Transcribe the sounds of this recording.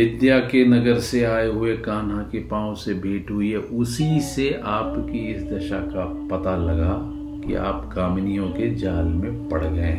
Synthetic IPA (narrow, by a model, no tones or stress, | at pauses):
ʋɪd̪jaːkenɐɡəɾseaːeɦʊekaːnɦãkepãːõsebʱeːʈɦʊiɦɛʔʊsiseaːpkiɪsd̪ɐʃaka | pɐt̪alɐɡa | kḭa̰ːpkaːmnijõked͡ʒaːlmẽpɐɽ̤ɡɐḛ̃ː